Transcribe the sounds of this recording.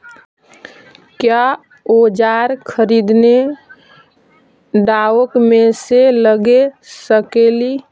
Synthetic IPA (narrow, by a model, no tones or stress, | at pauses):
kja | od͡ʒaɾkʰəɾid̪ne | ɖaəkmeseləɡesəkeli